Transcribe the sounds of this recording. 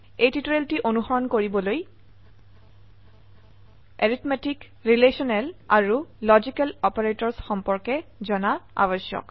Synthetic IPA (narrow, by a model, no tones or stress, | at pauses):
ejtitoɹeltiʔonuxɔɹɔnkoɹibɔloj | eɹitmetik | ɹilesɔnɛlaɹulɔzikɛlɔpɔɹetɔɹsxɔmpɔɹkɛzɔnaa̰bɔsjɔ̰k